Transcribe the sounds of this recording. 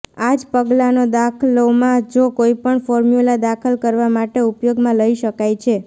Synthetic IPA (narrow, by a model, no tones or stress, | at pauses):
ad͡ʒpəɡlanod̪akʰəlomãd͡ʒokoipəɳfɔɾmjulad̪akʰəlkəɾʋamaʈeupjoɡmãləiʃəkajt͡ʃʰe